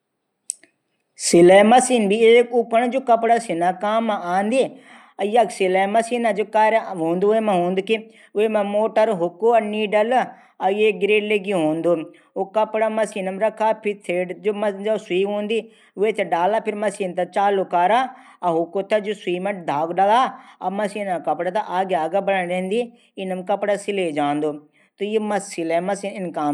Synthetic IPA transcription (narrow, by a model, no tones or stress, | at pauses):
sɪlɐmɐsiːnbʱieːkʊpəɽ̃d͡ʒokɐpɽasɪnakaːmaãːnd̪i | ɐjɐksɪlɐmɐsiːnad͡ʒokaːɾaɦõːnd̪oːemãɦõːnd̪uki | ʊemẽmoːʈəɾɦʊkuɐniːɖɐl | ɐeːɡɾeːɖleɡiɦõːnd̪oː | okɐpɽamɐsiːnɐmɾɐkʰaːpʰɪɾt̪ʰeːɖd͡ʒomɐd͡ʒasʊiːɦõːnd̪iː | ʋeːt̪ʰeɖaːlaːpʰɪɾmɐsiːnt̪ɐt͡ʃaːlokaːɾaː | ɐɦʊkːot̪ɐd͡ʒosʊiːmẽd̪ʱaːɡɖalaːɐmɐsiːnakɐpɽat̪aʔaːɡeaːɡabɐɽaɾẽːnd̪i | ɪnɐmkɐpɽasɪled͡ʒãːnd̪oː | t̪ojemɐsilɛ̃mɐsinɪnkaː